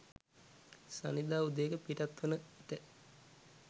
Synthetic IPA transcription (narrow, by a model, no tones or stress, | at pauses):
sa̰nid̪aːud̪eːkəpiʈat̪ːʋənəiʈə